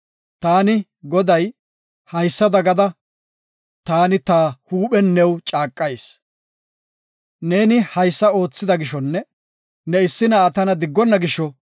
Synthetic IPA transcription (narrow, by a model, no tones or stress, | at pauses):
t̪aːnɪ | ɡɔd̪ɐj | hɐjsːɐd̪ɐɡɐd̪ɐ | t̪aːnɪt̪aːhuːɓɛnːɛwt͡ʃʼaːkʼːɐjs | ne̞ːnɪhɐjsːɐo̞ːt͡sːɪd̪ɐɡɪʃɔnːɛ | nɛɪsːɪnɐːt̪ɐnɐd̪ɪɡːɔnːɐɡɪʃɔ